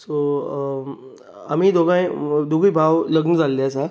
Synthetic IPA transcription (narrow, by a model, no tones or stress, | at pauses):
so | a̰miːd̪oɡãjd̪oɡibʱaʋləɡnəd͡zalːeasa